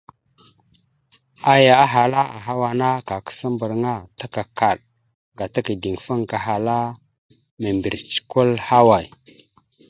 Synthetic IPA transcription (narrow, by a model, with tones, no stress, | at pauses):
a˦ja˨a˦ɦa˨la˦ʔa̰˨ɦa˦wa˨na˦ka˨kə̥˦sa˦mbə˨ɾŋa˦ta˦ka˨ka˨ɗ | ɡa˨ta˦ki˨di˨ŋ˨fə˦ŋka˨ɦa˨la˦ | me˨mbi˨ɾt͡ʃi̥˨ku˦lha˦wa˨j